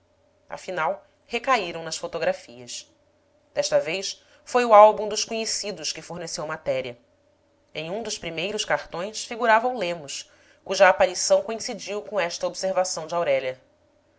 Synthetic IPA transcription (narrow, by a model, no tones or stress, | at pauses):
a̰finaw | hekaiɾɐ̃w̃nɐsfot̪oɡɾafiɐs | d̪̥ɛʃt̪ɐvejs | fojʊalbũd̪ʊʃkoɲesid̪ʊʃkɪfoɾnesewmat̪ɛɾiɐ | ẽj̃ũd̪ʊʃpɾimejɾʊʃkaχt̪õj̃sfiɡuɾavɐũlẽmʊs | kuʒɐːpaɾisɐ̃w̃koĩsid͡ʒiwkõɛʃt̪ɐobseɾvasɐ̃w̃d͡ʒɪawɾɛʎɐ